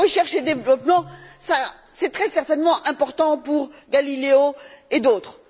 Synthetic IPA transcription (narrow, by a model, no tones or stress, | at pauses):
əʃɛʁʃed̪evlɔpmɑ̃sa | sɛt̪χɛsɛʁt̪ɛnmɑ̃ʔɛ̃pɔʁt̪ɑ̃puʁɡalileoed̪oːt̪χ